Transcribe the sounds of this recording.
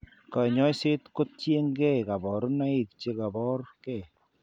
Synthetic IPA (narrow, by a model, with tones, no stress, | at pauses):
ka˨ɲɔ˦jsɪ˦tko˦t̚t͡ʃje˦ŋɡɛ˦˨ka˨bɔ˨ɾna˦i˦˨kt͡ʃe˦ka˨bɔ˦ɾkɛ˦˨